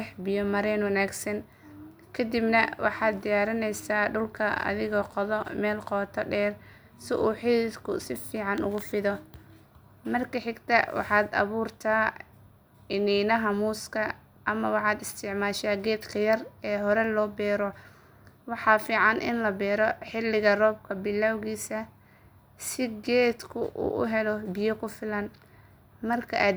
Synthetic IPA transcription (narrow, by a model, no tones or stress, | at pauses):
ɛħbɪjɔmɐɾɛːnwɐnaːɡsɐn | kʰɐd̪ibnɐ̰wɑ̰ħɑːd̪̚d̪ɪjaːɾɪnɛjsaːɖʊlkʰɐɐ̰ðɪɣɔqɔðɔmɛːlqɔːt̪ʰɐɖɛːr | sɪʔuːħild̪kʰʊ̰sɪfiːʕɑnʊ̰ɣʊfɪðɔ | mɐrkʰɐħɪɡt̪ʰɐwʔɑ̰ħɑːd̪ɐ̰βuːrt̪ʰaː | ɪniːnɐɦɐmuːskʰɐ | ɐmɐwɑħɑːd̪ɪst̪ʰɪʕmaːʃaːɡɛːd̪kʰɐjɐrɛːɦɔɾɛlɔːbɛːɾɔ | wɑħɑːfiːʕɑnʔɪ̰nlɐbɛːɾɔħɪlɪɣɐrɔːb̚kʰɐbɪlːawɣiːsɐ | sɪɡɛːd̪kʰʊ̰ʔṵːʔʊ̰ɦɛlɔbɪjɔkʰʊfɪlɐn | mɐrkʰɐʔaːd̪